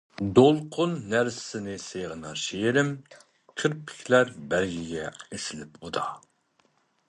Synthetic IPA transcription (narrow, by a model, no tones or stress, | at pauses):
d̪olˠqʰʊnːæɾssɪnɪsejʁənɑʃejɾɪm | kʲʰəɾpʰɪ̥kʲʰlæɾbæɾɡʲiɡʲɛesɪlɪpud̪ɑ